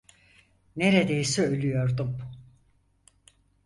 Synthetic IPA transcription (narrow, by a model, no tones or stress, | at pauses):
ne̞ɾed̪ejisɛølʲyjo̞ɾd̪um